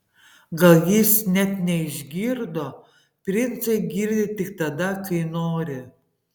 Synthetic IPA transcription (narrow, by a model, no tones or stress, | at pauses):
ɡɐlˠjɪsnʲɛt̪nʲɛɪʒʲɡʲiːɾd̪oː | pʲɾʲɪnt̪sɐɪɡʲiːɾʲd̪ʲɪt̪ʲɪk̚t̪ɐd̪ɐkɐɪnoːɾʲɪ